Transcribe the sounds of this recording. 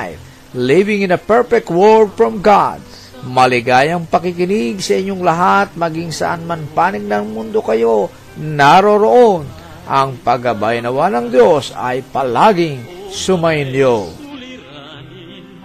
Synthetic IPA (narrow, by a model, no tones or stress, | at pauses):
j | livɪŋɪ̃nɐpɛɹfɛk̚t̪wɔɹfɹɔmɡad̪̚ | mɐlɪɡaːjɐŋpɐkɪkɪnɪɡsɐʔɪɲːoŋlɐɦat̪̚mɐɡiŋsɐ̰ʔanmɐnpaːnɪɡ̚nɐŋmʊnd̪o̞kɐjo̞ | naɾo̞ɾoʔon | ʔɐŋpɐɡɐbajɐnɐwanɐŋd̪jo̞sɐ̰jpɐlaɡɪŋsʊmɐjɪnjo